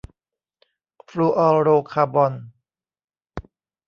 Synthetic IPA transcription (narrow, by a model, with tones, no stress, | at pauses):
fluː˧ʔɔː˧ɾoː˧kʰaː˧bɔ˧n